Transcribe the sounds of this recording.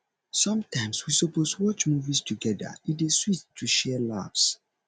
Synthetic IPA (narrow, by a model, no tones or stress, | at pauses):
sʌ̃mtʰãɪ̃mswisɔpostwɔt͡ʃmuvistʰuɡɛdə̰ĩndeswittʰːuʃɛla̰vs